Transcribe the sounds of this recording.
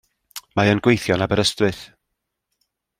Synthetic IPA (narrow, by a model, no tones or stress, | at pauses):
maənɡwejθjɔnabəɾəstrɨθ